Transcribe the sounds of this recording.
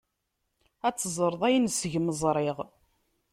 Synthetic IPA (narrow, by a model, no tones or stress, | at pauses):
æt͡sːəzˤəɾˤðˤæjnsəʝməzˤɾˤɪʁ